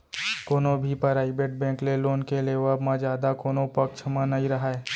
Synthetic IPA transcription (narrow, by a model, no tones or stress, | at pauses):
koːnõbʱipəɾaːibeːʈ̚bɛ̃ːŋkleloːnkeleʋəbmãd͡ʒjaːd̪akoːnõpɐkt͡ʃʰmãnɐĩɾɐɦaeː